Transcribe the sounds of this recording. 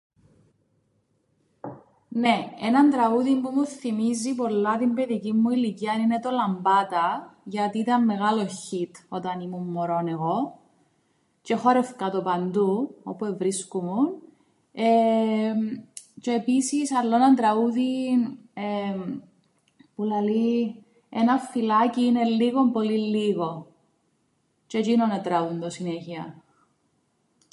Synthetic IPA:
neenɐnd̪ɾɐuðimpumuθːimizipo̞lːɐt̪imbe̞ðicimːuiliciɐnine̞t̪o̞lɐmbɐt̪ɐʝɐt̪iːt̪ɐnːe̞ɣalo̞çit̪o̞t̪ɐnimumːoɾoneɣo | ce̞xoɾefkɐt̪opɐnd̪uopuevɾiskumun | e | t͡ʃeːpisisɐlːonɐt̪ɾɐuðin | e | pulɐli | enɐfːilaciːnelːiɣo̞mpolilːiɣo | t͡ʃet͡ʃinonɐt̪ɾɐund̪osineçiɐ

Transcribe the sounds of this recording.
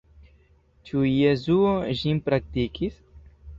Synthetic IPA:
t͡ʃujezuoʒimpɾak̚t̪ikis

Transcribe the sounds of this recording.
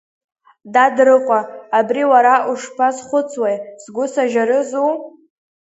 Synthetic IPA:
dadrɨqʷʼaːbriwaɾaʔuʂpʰazχʷʊt͡sʰwejzɡʷʊsaʒaɾɨzu

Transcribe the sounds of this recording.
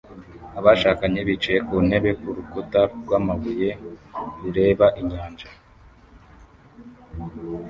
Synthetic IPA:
aβaʃaːkaɲeβit͡ʃeekun̥e̞βe̞kuɾukotaɾɡwaːmaβuje̞ɾuɾe̞ːβaʔiɲaːnd͡ʒa

